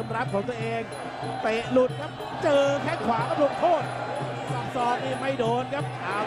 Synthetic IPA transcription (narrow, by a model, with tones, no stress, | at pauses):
mɾa˦˥p̚kʰɔː˩˦ŋt̪ɐ˧ʔeː˧ŋ | t̪e˨˩ʔlu˨˩t̪̚kʰa˦˥p̚ | t͡ɕɤː˧kʰɛ˧˩ŋkʰwaː˨˦kʰa˦˥p̚ɾu˧nt̪ʰoː˥˩t̪̚ | sa˨˩p̚sɔː˨˩k̚niː˧˩ma˥˩jdoː˧nkʰa˦˥p̚aː˨˩